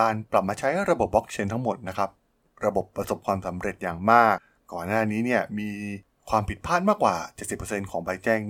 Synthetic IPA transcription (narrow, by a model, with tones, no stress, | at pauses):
aː˧npla˨˩p̚maː˧t͡ɕʰa˦˥jɾa˧bo˨˩p̚bɔ˦˥k̚t͡ɕʰe˧nt̪ʰa˦˥ŋmo˨˩t̪̚na˦˥kʰa˦˥p̚ | ɾa˧bo˨˩pːɾa˧so˨˩p̚kʰwaː˧msa˩˦mɾe˨˩t̪̚jaː˨˩ŋmaː˥˩k̚ːɔː˨˩nːaː˥˩niː˦˥ni˥˩ɐmiː˧ | kʰwaː˧mpʰi˨˩t̪̚pʰaː˥˩t̪̚maː˥˩kwaː˨˩t͡ɕe˨˩t̪̚si˨˩pːɤ˧se˧nkʰɔː˩˦ŋba˧jt͡ɕɛː˥˩ŋ